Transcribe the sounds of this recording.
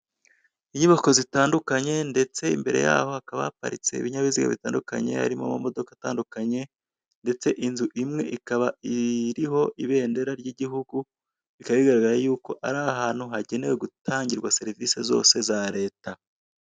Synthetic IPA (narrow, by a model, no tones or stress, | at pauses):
iɲiβako̞zitaːndukaɲe̞nde̞t͡se̞imbe̞ɾe̞̰ja̰ːho̞akaβa̰apa̰ɾit͡se̞̰ḭβiɲaβiziɡa̰βitaːnduka̰ɲe̞̰ha̰ɾimo̰mumo̞do̞kataːndukaɲe̞ | nde̞t͡se̞ʔinzuʔimŋe̞ʔikaβaiɾiɦo̞ʔiβe̞ːnde̞ɾaɾɟiɟiɦuɡu | ikaβiɡaɾaɡaɾajuːko̞ʔaɾaɦaːn̥huɦaɟe̞ne̞we̞ɡutʰaːɲɟiɾɡwase̞ɾivise̞zo̞̰ːse̞zaɾe̞ːta